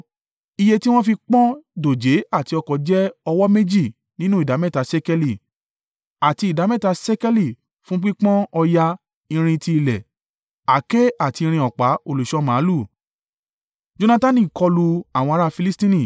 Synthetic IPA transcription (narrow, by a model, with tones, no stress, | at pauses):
i˧je˧ti˦w̃ɔ̃˦fi˧k͡pɔ̃˦do˨d͡ʒe˨˦a˦˨ti˧ɔ˧kɔ˨˦d͡ʒɛ˦ɔ˧wɔ˦me˦d͡ʒi˦˨ | nĩ˦nũ˦i˦˨da˨˦mɛ̃˦˨ta˨sɛ˦kɛ˧li˦˨ | a˨ti˧i˨da˨˦mɛ̃˦˨ta˧sɛ˦kɛ˦li˦˨ | fũ˦k͡pĩ˦k͡pɔ̃˦ɔ˧ja˧ | ĩ˧ɾ̃ĩ˧ti˧i˧lɛ˨ | a˨ke˦a˦˨ti˧i˧ɾ̃ĩ˧ɔ˨k͡pa˨˦o˧˨lu˨ʃɔ˦mãː˨˦lu˦˨ | d͡ʒo˧nã˧ta˦nĩ˦˨kɔ˧lu˧a˨w̃ɔ̃˧a˧˦ɾa˦fi˧li˦stĩ˦nĩ˦˨